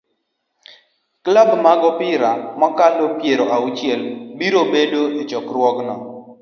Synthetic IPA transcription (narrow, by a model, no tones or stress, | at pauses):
klabmaɡɔpɪɾamɔkalopjeɾoʔaut͡ʃjɛlbiɾobedoet͡ʃɔkɾwɔknɔ